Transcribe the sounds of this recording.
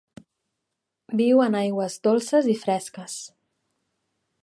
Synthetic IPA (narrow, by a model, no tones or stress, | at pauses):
biwənajɣwəzdolˠsəzifɾɛskəs